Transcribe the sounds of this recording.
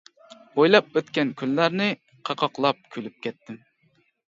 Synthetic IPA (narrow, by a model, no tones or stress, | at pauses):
ojlˠɑp̚øt̪kʲɛnkʲʰylːæɾnɪ | qʰɑqʰɑqlˠɑp̚kʲʰylyp̚kʲʰɛt̪ʰːɪm